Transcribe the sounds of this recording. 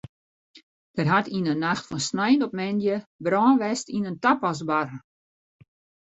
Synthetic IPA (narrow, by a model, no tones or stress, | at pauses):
d̥ərɦatʰinənːaxtfɔnsnɛjnɔpmɛndjəbrɔːnʋɛstinəntapasbar